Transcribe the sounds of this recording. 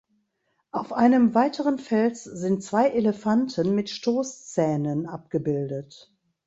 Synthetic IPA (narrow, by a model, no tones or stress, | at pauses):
ʔaʊfʔaɪnəmvaɪtʰəʁənfɛlszɪnt̚t͡sv̥aɪʔeləfantʰənmɪtʃtoːst͡sɛːnənʔap̚ɡ̥əbɪldət